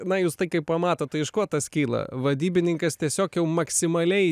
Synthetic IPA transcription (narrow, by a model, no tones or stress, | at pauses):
nɐjuːst̪ɐɪkɐɪppɐmɑːt̪oːt̪̚t̪ɐɪɪʃkuɔt̪ɐskʲiːlˠɐ̰ʋɐd̪ʲiːbʲɪnʲɪŋkɐst̪ʲiɛsʲoːkjɛʊmɐksʲɪmɐlʲɛɪ